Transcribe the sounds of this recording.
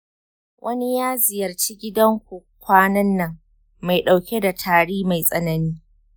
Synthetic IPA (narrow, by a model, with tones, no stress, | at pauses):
wʔɐ˦ni˦jaː˦zɪ˨jɐ˨rt͡ʃiː˦ɡʲɪ˦dɐ˦ŋkʷu˨ | kʷaː˦nɐ˦nːɐ˨ŋː | a˨jɗa˨wkʲe˦da˨tʰaː˨ɽiː˦ma˨jsʼɐ˦nɐ˦niː˦